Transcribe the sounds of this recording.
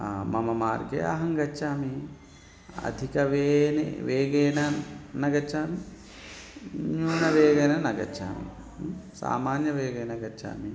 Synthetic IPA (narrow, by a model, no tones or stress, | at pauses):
mɐmɐmaːɾɡḛɐ̰ɦɐŋɡɐt͡ʃːaːmi | ɐ̰d̪ʱikɐʋeːnḛʋeːɡeːnɐnɐɡɐt͡ʃaːm | ɲuːɳɐʋeːɡɐːnɐnɐɡɐ̰t͡ʃʰa̰ːmḭ | sa̰ːmaːnjɐʋeːɡeːnɐɡɐt͡ʃʰːa̰ːmi